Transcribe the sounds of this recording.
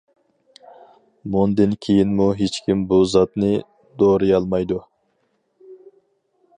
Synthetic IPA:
mund̪ɨnkʲʰejinmuɦet͡ʃkʲimbuzɑt̪nɨ | d̪oːɾɨjɑlˠmɑjd̪u

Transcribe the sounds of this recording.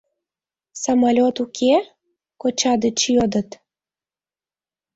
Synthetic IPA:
sɑmɑlʲot̪ukʰe | kot͡ɕɑd̪ət͡ɕjod̪ə̆t̪

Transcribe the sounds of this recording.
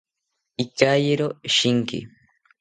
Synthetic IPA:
ikajeɾoʃiŋkḭ

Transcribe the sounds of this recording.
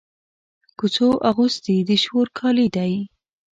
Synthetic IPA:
kut͡soʔaɣusd̪id̪əʃoɾkʰɑlid̪aj

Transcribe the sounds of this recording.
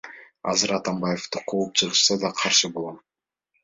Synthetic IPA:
ɑ̰zɨɾɑt̪ɑmbajeft̪uqʰoːup̚t͡ʃʰɯʁɯʃsɑd̪ɑqʰɑɾʃɯbolˠom

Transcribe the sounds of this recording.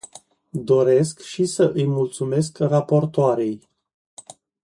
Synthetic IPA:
d̪o̞ɾe̞skʃisəʔɨjmult̪sume̞s̬krapo̞rt̪oaɾe̞j

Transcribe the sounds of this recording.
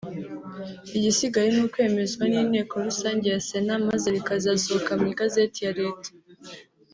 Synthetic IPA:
iɟisiɡaɾinuːkwe̞ːme̞zɡwaniːne̞ːko̞ɾusaːɲɟe̞jase̞namazeɾikazaːsookamŋiɡazetijaɾe̞ːtḁ

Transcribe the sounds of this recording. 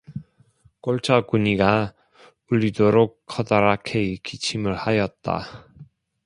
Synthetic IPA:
k͈oɭt͡ɕʰʌkuɲiɡa | uʎːidoɾok̚kʰːʌdaɾakʰeikit͡ɕʰimɯɭhajʌt̚t͈a̰

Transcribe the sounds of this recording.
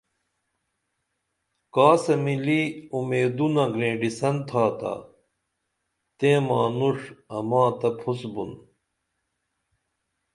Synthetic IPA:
kaːsɐmiliumeːd̪unɐɡɾẽːɖisɐnt̪ʰaːt̪a̰ː | t̪ẽːmaːnuʂɐmãːt̪ɐpʰusbun

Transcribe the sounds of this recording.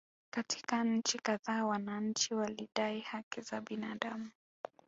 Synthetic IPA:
kati̥kaɲ̩t͡ʃikaðaːwanaɲ̩t͡ʃiwaliɗaihakizaɓinaːɗamu

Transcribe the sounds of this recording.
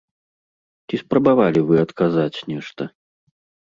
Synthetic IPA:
t͡sʲispɾɐbavalʲivɨɐt̪kazat͡sʲnʲɛʂt̪ɐ

